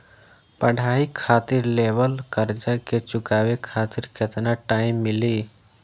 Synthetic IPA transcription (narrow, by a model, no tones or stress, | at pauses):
pəɽ̤ʱaːikʰaːt̪iɾleʋəlkəɾd͡ʒaket͡ʃʊkaːʋekʰaːt̪iɾket̪naʈaːimːɪli